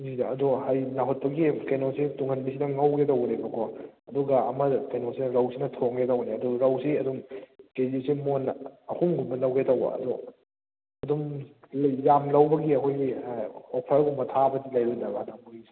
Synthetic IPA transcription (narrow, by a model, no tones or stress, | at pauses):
idɐɐduhajnaɦot̚pɐɡikenosituŋʰɐnbisinɐŋawɡetɐwnebɐkʰoɐduɡɐɐmɐkejnosinɐɾawsinɐtʰoŋɡetɐwneɐdoɾawsiɐdumkezisimonɐhʰumɡumbɐlɐwɡetɐwbɐ̰ɐ̰do | ɐdum | jamlɐwbɐɡiɐkʰojɡiopʰaɾɡumɐtʰabɐdilajbɐndɐɡanamuɡis